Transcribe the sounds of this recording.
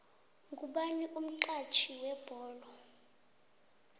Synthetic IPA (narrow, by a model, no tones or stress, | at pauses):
ŋɡʱʼuɓaniʔum̩ǃat͡ʃʰiwɛb̥ʱɔːlɔ